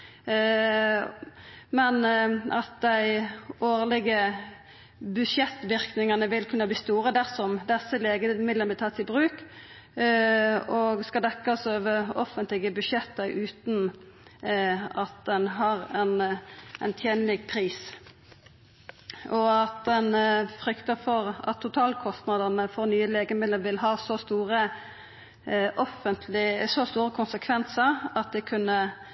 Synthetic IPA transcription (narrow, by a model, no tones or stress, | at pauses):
mɛnɑ̰t̪̚d̪æɪoːʁlɪɡə | bʉʃjɛt̪ːʋɪʁknɪŋɑnəʋɪlkʰʉnːəbliːst̪uːʁəd̪æʁsɔmd̪ɛsːəleːɡəmɪd̪lənb̪ɪt̪ʰɑːt̪ɪbʁʉːk | ɔɡskɑd̪ɛkːɑsøːʋəɔfənt̪lɪɡəbʉʃjɛt̪ːəʔʉːt̪n | ɑt̪̚d̪ɛnɦɑʁɛnɛnt̪ʰjeːnlɪɡ̚pʰɾiːs | ɔɑt̪̚d̪ɛnfʁʏkt̪əfɔʁɑ̰t̪ʰːʊt̪ʰɑːlkʰɔst̪nɑd̪əʁnəfɔɾnyːəleːɡəmɪd̪əlʋɪlɦɑːsɔst̪uːʁə | ʔɔfənt̪ʰlɪsɔst̪uːʁəkʰʊnsəkʰʋɛnsəɾɑt̪̚d̪ɛkʰʉnːə